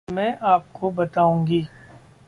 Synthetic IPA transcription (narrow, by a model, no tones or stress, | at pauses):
mɛ̃ːʔaːp̚kobɐt̪aːũːɡiː